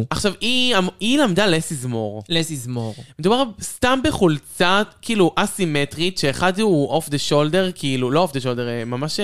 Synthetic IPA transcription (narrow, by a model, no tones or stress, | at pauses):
aχʃaviamilamdalesizmo̞ʁlesizmoʁmed̪ubaʁst̪ambeχult͡sakiiluʔasimetʁit̪ʃeːχad̪uʔofd̪eʃoldeʁkʰiiluloofd̪eʃ̬oldeʁmamaʃ